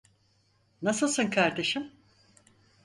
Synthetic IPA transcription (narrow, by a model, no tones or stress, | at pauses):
nasɯlˠsɯnkʰaɾd̪e̞ʃim